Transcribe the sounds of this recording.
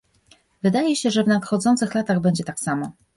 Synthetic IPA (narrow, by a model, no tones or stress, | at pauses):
vɘd̪ajɛɕɛʐɛvnat̪xɔd̪zɔnt̪sɘxlat̪aɣbɛɲd͡ʑɛt̪aksamɔ